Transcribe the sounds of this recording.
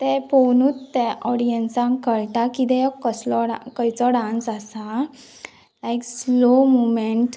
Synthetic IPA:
t̪epɔwnuːt̪t̪ːɛɔɽijənsãŋkəɭʈakit̪ɛjɔkəslɔɽakəjt͡sɔɖãnsasa | lajkslomumeɳʈ

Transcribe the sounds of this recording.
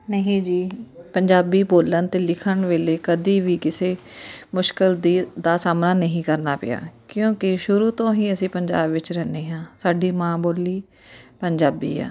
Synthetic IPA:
nəɦĩːd͡ʒiːpəɲd͡ʒaːbiːboːlənt̪eːlɪkʰəɳʋeːleːkəd̪iːʋiːkɪseːmʊʃkɪld̪iːd̪aːsaːmnaːnəɦĩːkəɾnaːpɪ̰ja̰ːkjõːkɪʃʊɾuːt̪õːɦĩːəsĩːpəɲd͡ʒa̰ːbʋɪt͡ʃɾɛːneːɦãːsaːɖiːmãːboːliː | pəɲd͡ʒaːbḭːɛ̰ː

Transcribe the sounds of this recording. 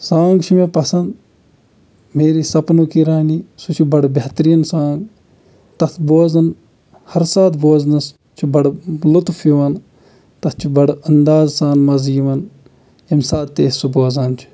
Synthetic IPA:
sãːŋɡt͡ʃʰimepɐsɐnd̪ | meːɾiːsɐpnuːkiɾaːnisut͡ʃʰibɐɽbɐht̪ɾiːnsãːŋɡ | t̪ɐt̪ʰboːzɐn | hɐɾsaːt̪boːznɐs | t͡ʃʰibɐɽlut̪fiʋɐn | t̪ɐt̪ʰt͡ʃʰibɐɽɐnd̪aːzsaːnmɐziːʋɐn | ɐmsaːt̪t̪eːsuboːzɐnt͡ʃʰi̥

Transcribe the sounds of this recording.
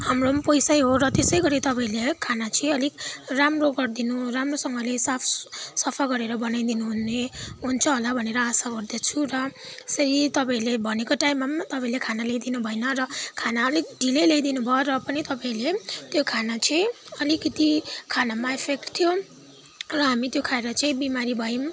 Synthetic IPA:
ɦamrompʌjsajɦorʌt̪esʌjɡʌɾit̪ʌpãĩlekʰanat͡sʰĩʌlikramroɡʌrd̪inuramrosʌŋɡʌlesapʰsʌpʰaɡʌɾeɾʌbʌnajd̪inuɦuneɦunt͡sʰʌɦolabʱʌneɾʌasaɡʌrd̪et͡sʰurʌsʌɾit̪ʌpãĩlebʱʌnekoʈaimːamat̪ʌpãĩlekʰanalejd̪inubʱʌjnʌrʌkʰanaʌlik̚ɖʱilelejd̪inubʱʌoɾʌpʌnit̪ʌpãĩlet̪jokʰanat͡sʌĩʌlikʌt̪ikʰanamaepʰekʈt̪ʰijo | rʌɦamit̪jokʰaeɾʌt͡sʌĩbimaɾibʱʌim

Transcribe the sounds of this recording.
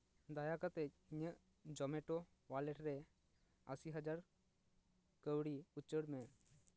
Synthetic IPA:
d̪ajakət̪e | ɲə | d͡ʒɔmeʈo | ʋaleʈɾɛ | əsiɦəd͡ʒaɾ | kəwɽiʊt͡ʃəɽmẽ

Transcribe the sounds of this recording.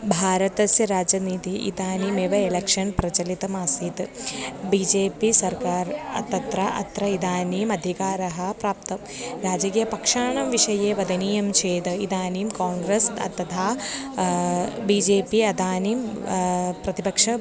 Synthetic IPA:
bʱaːɾɐt̪ɐsjɐɾaːd͡ʒɐniːt̪iʔḭd̪aːniːmeːʋɐelɐkʂɐnpɾɐt͡ʃɐlit̪ɐmaːsiːt̪bid͡ʒeːpisɐɾkaːɾɐ̰t̪ːɐt̪ɾɐʔɐ̰t̪ɾɐid̪aːniːmɐd̪ʱikaːɾɐɦɐpɾaːp̚t̪ɐm | ɾaːd͡ʒɐɡjɐpɐkʂaːɳɐmʋiʂɐjeːʋɐd̪ɐniːjɐmt͡ʃʰeːd̪ɐid̪aːniːmkaːŋɡɾesɐ̰t̪ɐt̪ʰaː | biːd͡ʒeːpiɐd̪aːniːm | pɾɐt̪ipɐkʂɐ

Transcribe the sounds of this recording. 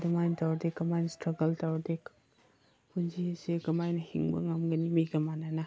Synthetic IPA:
dimajntawɾdekːɐmajnɐstɾɐɡɐltawɾdek | pʰunzieseɡɐmajnɐhḭŋbɐ̰ŋɐmɡɐnimiɡɐmanɐna

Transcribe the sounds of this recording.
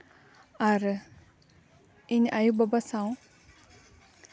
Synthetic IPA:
aɾ | iɲʔajubabasaw

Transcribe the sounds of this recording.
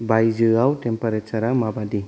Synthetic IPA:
bajzɯawtɛmpaɾat͡ʃaɾamabadi

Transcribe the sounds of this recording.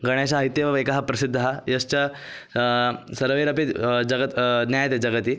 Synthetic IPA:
ɡəɳ̃jaɕaɦəit̪jeʋaʋekaɦapɾɐsid̪ʱːəɦajɐst͡ɕa | səɾʋeɾəpid͡ʑɐɡət̪njajt̪ed͡ʑɐɡət̪iː

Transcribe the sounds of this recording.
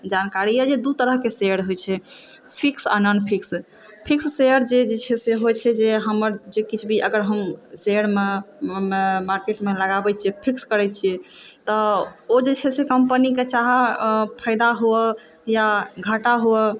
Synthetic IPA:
d͡ʒankaɾiɛd͡ʒed̪ut̪əɾəɦkeseəɾɦojt͡ʃʰɛpʰiksa̰nənpʰiks | pʰiksːejəɾd͡ʒed͡ʒet͡ʃʰɛseɦojt͡ʃʰɛd͡ʒeɦəməɾd͡ʒekit͡ʃʰbʱiʔəɡəɾɦəmseəɾme | maɾkeʈmeləɡabɛt͡ʃʰɛpʰikskəɾɛt͡ʃʰiɛt̪ɔod͡ʒet͡ʃʰɛsekəmpəniket͡ʃaɦapʰəɪd̪aɦoəjaɡʱəʈaɦoə

